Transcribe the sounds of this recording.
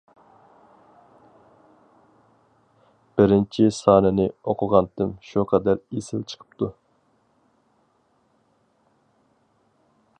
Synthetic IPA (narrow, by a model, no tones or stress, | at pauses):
b̥ɪɾɪnt͡ʃʰisɑːnɛnɪoqʰʊʁɑnt̪ɨmʃuqʰɑd̪æɾesɪlt͡ʃʰə̥qʰə̥p̚t̪ʰu